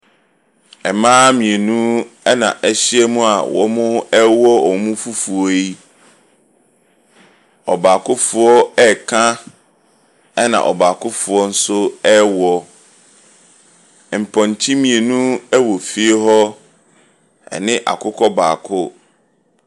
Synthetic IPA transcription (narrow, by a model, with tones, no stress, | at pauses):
ɛ˨mãː˦mĩ˨e˨nũ˦ɛ˦nã̰˨ʔɛ˦ɕi˦ɛ˦mũ˦a˨wɔ̰˨mʊ̃˦ɛ˦wɔ˦ɔ˨mʊ̃˦fu˦fu˨ɔ˦i˦ | ɔ˨baː˨kʊ˦fʊ˨˦ɔ˦ɛ˦kʰã˦ | ɛ˦nã̰˨ʔɔ̰˨baː˨kʰʊ˦fʊ˨ɔ˦n̩˦sʊ˦ɛ˦wɔ˦˨ | m̩˨pʰɔ̃˨n˨t͡ɕʰĩ˦mĩ˨e˨nũ˦ɛ˦wɔ˨fi˦e˦ɦɔ˦ | ɛ̰˨nɪ̃˦ʔa̰˨kʰʊ˦kʰɔ˦ba̰ː˨kʰʊ˦